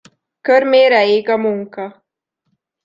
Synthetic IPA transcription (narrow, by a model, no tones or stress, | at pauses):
køɾmeːɾɛeːɡɒmuŋkɒ